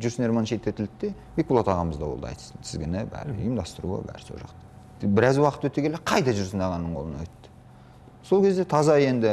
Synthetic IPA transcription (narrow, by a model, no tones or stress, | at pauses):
ʒʏɾsneɾmonʃet̪ːet̪ʰɪlɪk̚t̪e̞ | mekulˠot̪ʰɑʁɑməzd̪ɑwo̞lˠd̪ɑɑ̰jt̪sənt̪ʰɪzɡʲɪnɪbæ̰ɾ̰jəmd̪ɑst̪əɾṵə̰bæ̰ɾso̰ʒɑ̰qt̪ɑ̥ | bɪɾæzwɑqət̪wɵt̪ːekʰʲeleqʰɑjd̪ɑʒʏɾsənd̪ɑʁɑnːəɴqʰolˠənɑ̰wɵt̪ːɪ̥ | so̞lˠkʲe̞zd̪e̞t̪ʰɑzɑje̞nd̪ɪ